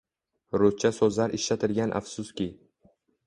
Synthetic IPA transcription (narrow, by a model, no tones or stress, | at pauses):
ɾot͡ʃʰasɵzlaɾɪʃlat̪ʰɪɾɡʲanʔa̰fsʊskʲɪ